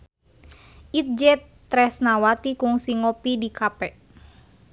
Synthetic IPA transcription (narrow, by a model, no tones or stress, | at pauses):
ʔit̪̚d͡ʒɛt̪ː | ɾɛsnawat̪ikuŋsiŋɔpidikapɛ